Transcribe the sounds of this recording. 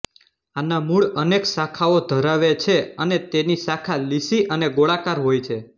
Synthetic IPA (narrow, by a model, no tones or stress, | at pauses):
anamuɭəneksakʰaod̪ʱəɾaʋet͡ʃʰeənet̪enisakʰalisiʔəneɡoɭakaɾɦojt͡ʃʰe